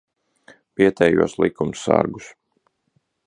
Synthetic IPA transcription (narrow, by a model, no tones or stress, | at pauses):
piɛt̪ɛːjuɔslˠikumsa̰ɾɡus